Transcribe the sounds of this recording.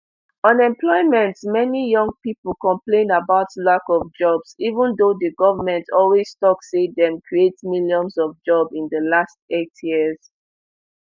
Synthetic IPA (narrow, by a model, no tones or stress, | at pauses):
ɔ̃nɛ̃mplɔɪmɛ̃ntmɛnijʌ̃ŋɡ̚pipəl̩kɔ̃mplẽnabaʊtlakɔvd͡ʒɔbsivə̃ndodəɡɔvəmɛ̃ntʰɔlwiz̥stɔksedɛ̃mkʰɹietmiljɔ̃nsɔvd͡ʒɔbĩndəlast̚etʰjiəz̥